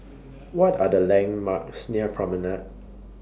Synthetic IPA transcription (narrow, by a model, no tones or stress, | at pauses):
wɔtadəlɛ̃ŋmaksniəpʰɹɔmənət̚